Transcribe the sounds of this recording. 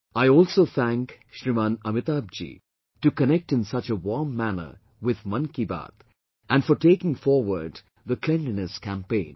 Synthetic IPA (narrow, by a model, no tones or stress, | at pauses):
aɪɔːlsoːθʰæ̃ŋk | ʃɾimãnʌmɪt̪ab̚d͡ʒḭ | ʈukənɛk̚ʈɪ̃nsʌt͡ʃəwɔɹmːænə̰˞ | wɪð̥mʌ̃nkiba̰t̪ | ʔæ̃nfɔɾʈeːkɪ̃ŋfɔɾwə̰ɾɖ | ðəkʰlɛ̃nɖənəskʰæ̃mpẽɪ̃n